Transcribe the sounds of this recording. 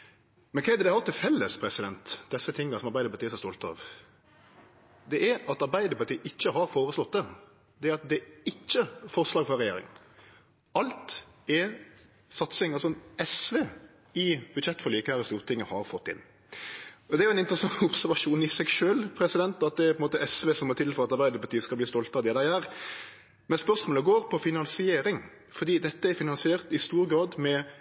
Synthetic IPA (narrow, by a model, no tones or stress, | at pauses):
mɛnkʰɛɪd̪əd̪ɛæɾɑlt̪ʰɪfɛlːəspʰɾɛsɪd̪ɛnt̪d̪ɛsːət̪ʰɪŋːɑsɔmɑɾbæɪd̪əpɑt̪iːsɔɛst̪ɔlt̪əɑ̰ːʋ | d̪ɛʔɛɾɑt̪ɑɾbæɪd̪əpʰɑɾt̪ʰiːʔɪçːəɦɑɾfoːɾəslɔt̪̚ːd̪ɛ | d̪ɛæɑt̪̚d̪ɛɪçːəfɔɾslɑːɡfɔɾːɛjeːɾɪ̰ŋə̰n | ɑlt̪ɛ | sɑt̪sɪŋɑlsɔɛsʋeː | ɪbʉd̪ʃɛt̪ːfɔɾliːkəhæːɾəst̪uːʁɾt̪ʰɪŋəhɑɾfɔt̪ːɪ̰nː | ɔd̪ɛæɾjʊɛnɪnt̪əɾəsɑŋʊpsæɾʋɑʂuːnɪsɛɡʃøːlpʰɾɛsɪd̪ɛnt̪ɑt̪̚d̪ɛæpɔnmoːt̪əɛsʋeːsɔmɔt̪ʰɪlfɔɾɑt̪ɑɾʁbæɪd̪əpʰɑɾt̪iːəskɑlb̪iːst̪ɔlt̪əɑʋd̪ɛd̪æɪæːɾ | mɛnspœɾsmoːləɡoːɾpʰɔfɪnɑnsɪeːɾɪŋ | fɔɾd̪iːd̪ɛt̪ːəæɾfɪnɑnsɪeːʁt̪ɪst̪uːɾɡɾɑːd̪mɛ